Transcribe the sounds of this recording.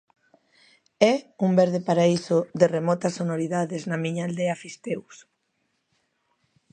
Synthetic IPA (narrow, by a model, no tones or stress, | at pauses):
ɛumbɛɾð̞epaɾaisʊðeremɔt̪ɐsonoɾiðaðeznɐamiɲaːld̪ɛafist̪ews